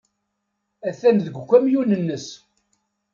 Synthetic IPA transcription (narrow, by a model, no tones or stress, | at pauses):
æθænðəɡʷkʷːæmjunənːəs